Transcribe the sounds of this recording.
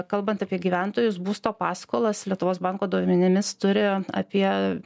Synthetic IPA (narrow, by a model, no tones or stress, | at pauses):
kɐlˠbɐnt̪ɑpʲiɛɡʲiʋʲɛnt̪oːjʊsbuːst̪oːpɑːskoːlˠɐslʲiɛt̪ʊʋoːsbɐŋkoːd̪oːʋʲɪmʲɛnʲɪmʲɪst̪ʊɾʲɪɐ̰pʲiɛ